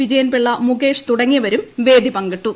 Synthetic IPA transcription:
ʋid͡ʑɐjɐnpeɭːɐmuɡe̞ːʂt̪uɽɐŋːijɐʋɐɾumʋe̞ːd̪ipɐŋɡɐʈːu

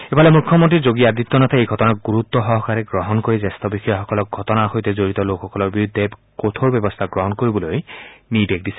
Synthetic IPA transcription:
ebalɛmukʰːjɔmɔntizoɡiad̪it̪ːɔnatʰaejɡʱɔtɔnak̚ɡuɹut̪ːɔɦɔɦɔkaɹɛɡɹɔɦɔnkoɹizɛst̪ɔbixɔjaxɔkɔlɔk̚ɡʱɔtɔnaxojtɛzoɹit̪ɔlokxɔkɔlɔɹbiɹud̪ʱːɛ | kot̪ʰoɹbɛbɔst̪ʰaɡɹɔɦɔnkoɹibɔlojnibek̚disɛ̥

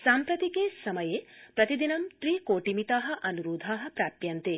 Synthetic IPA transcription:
saːmpɾɐt̪ikesɐmɐjepɾɐt̪id̪inɐmt̪ɾiːkoːʈimit̪aːɦɐʔɐnuɾoːd̪ʱaːɦɐ̆pɾaːpjɐnt̪e

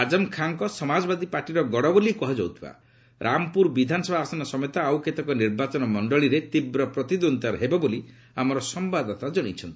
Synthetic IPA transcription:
ad͡ʒɔmkʰaŋkɔsɔmad͡ʒɔbad̪ʱipaɾʈiɾɔɡɔɽɔbolikɔɦad͡ʒɔwt̪ʰiba̰ | ɾʔamɔpuɾbid̪ʱanɔsɔbasɔnɔsɔmjt̪aːwket̪ɔkɔniɾbat͡ʃɔnɔmɔɳɖɔɭiɾet̪ibɾɔpɾɔt̪id̪ont̪aɾɦebɔboli | amɔɾɔsɔmbad̪ɔt̪ad͡ʒɔɽ̃it͡ʃʰɔnt̪i

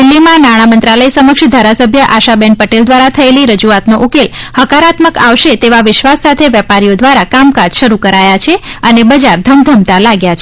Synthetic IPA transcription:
d̪ɪlːimãnaɽ̃amənt̪ɾaləisəməkʃd̪ʱaɾasəbʱjəʔaʃabɛnpəʈeld̪ʋaɾat̪ʰəeliɾəd͡ʒuat̪noʔokelhəkaɾat̪məkaʋʃet̪eʋaʋɪʃʋasːat̪ʰeʋjɛpaɾijod̪ʋaɾakamkad͡ʒʃəɾukəɾajat͡ʃʰeənebəd͡ʒaɾd̪ʱəmd̪ʱəmt̪alaɡjat͡ʃʰe

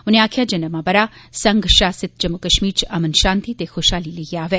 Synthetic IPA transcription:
uneaːkʰjad͡ʒənəmãbəɾasɐŋɡʃaːsɪt̪̚d͡ʒəmːukəʃmiːɾt͡ʃɐmənʃãːnt̪it̪exoːʃaliləiaːʋe

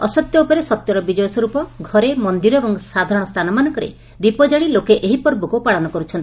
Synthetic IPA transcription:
ɔsɔt̪jɔupɔɾesɔt̪jɔɾɔbid͡ʒɔjɔsɔɾupɔɡʱɔɾemɔnd̪iɾɔebɔŋsad̪ʱaɾɔɽ̃ɔst̪ʰanɔmanɔŋkɔɾḛ | d̪ipɔd͡ʒaɽilokeʔeɦipɔɾbukupaɭɔnɔkɔɾut͡ʃʰɔnt̪i

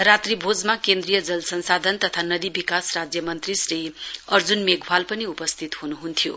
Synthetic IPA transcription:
ɾat̪ribʱod͡zmakend̪rijʌd͡zʌlsʌnsad̪ʱʌnt̪ʌt̪ʰanʌd̪ibikasrad͡zjʌmʌnt̪risriʌrd͡zunmeɡʱbʱalpʌniupʌst̪ʰit̪hunuɦunt̪ʰijo

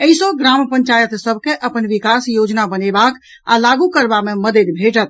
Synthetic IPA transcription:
əisɔɡɾampəɲt͡ʃajət̪səbʱkeʔəpənʋikasjod͡ʒnabənebak | a̰laɡukəɾbameməd̪ed̪bʱeʈət̪̚

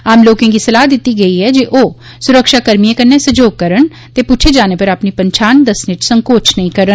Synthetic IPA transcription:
aːmloːkẽkisəlaːd̪ɪt̪ːiɡəiɦɛːd͡ʒeʔoː | sʊɾəkʃaːkəɾmijẽkəɾnesəd͡ʒoːɡ̚kəɾən | t̪eːpuːt͡ʃʰed͡ʒaːnepəɾaːpnipəɲt͡ʃʰaːnd̪əsnet͡ʃsə̃ŋkoːt͡ʃʰnəĩkəɾən

